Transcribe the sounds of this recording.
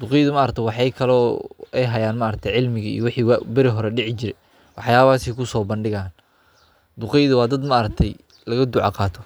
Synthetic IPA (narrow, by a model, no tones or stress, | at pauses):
d̪̥ʊqɛjðʊmaːɾɐk̚t̪ʰɛwɑħɑjkʰɐlɔːɛjɦɐjaːnmaːɾɐk̚t̪ʰɛjʕɪlmɪɣɐḭjɔwɪħiːwbɪɾɪɦɔɾɛɖɪʕɪt͡ʃɪɾɛj | wɑħjaːβaːsɛkʰʊsɔːbɐnɖɪɣaːn | d̪ʊqɛjðʊwɑːd̪ɐd̪maɾɐk̚t̪ʰɛj | lɐɣɐd̪ʊʕɑ̰qɑːt̪ʰɔ